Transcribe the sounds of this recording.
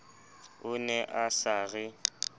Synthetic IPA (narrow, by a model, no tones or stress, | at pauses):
ʊnɛʔasaːɣɪ